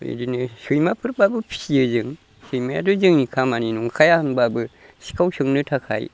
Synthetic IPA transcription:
ḛdinɯsujmapʰɯɾbabɯpʰiɯzɯŋ | sɯjmaja̰dozɯŋnikʰamaninuŋkʰajanbabɯ | si̥kʰawsʰɯŋnɯtʰakʰa̰j

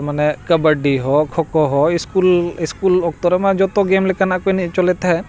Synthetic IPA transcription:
manɛkəbəɖiɦɔkʰɔkɔɦɔɪskulɪskulɔk̚t̪ɔɾɛmãd͡ʒɔt̪ɔɡemlekanakoinit͡ʃɔlet̪ɦɛ

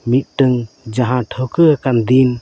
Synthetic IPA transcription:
mit̪̚ˀʈɯŋ | d͡ʒaɦãʈʰɔwkəakand̪in

